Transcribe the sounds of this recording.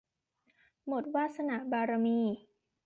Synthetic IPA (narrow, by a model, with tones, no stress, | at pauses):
mo˨˩t̪̚waː˥˩t̪̚sa˧na˨˩ʔbaː˧ɾa˧miː˧˩